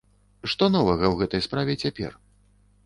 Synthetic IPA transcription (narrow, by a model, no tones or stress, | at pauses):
ʂt̪ɔnɔvɐɣɐwɣɛt̪ɐjspɾavʲɛt͡sʲapʲɛ̰r